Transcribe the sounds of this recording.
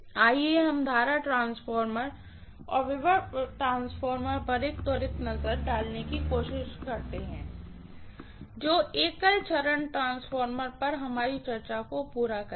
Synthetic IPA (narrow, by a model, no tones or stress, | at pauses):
aːieɦɐmd̪ʱaːɾaʈɾãːnsfʰɔːɾməɾ | ɔ̰ːɾʋɪʋəɾʈɾãːnsfʰɔːɾməɾpɐɾeːkt̪ɔːɾeknɐzəɾɖaːlnekikoːʃɪʃkɐɾt̪eɦɛ̃ː | d͡ʒoːeːkəlt͡ʃɐɾəɳʈɾãːnsfʰɔːɾməɾpɐɾɦɐmaːɾit͡ʃɐɾt͡ʃakopuːɾakɐ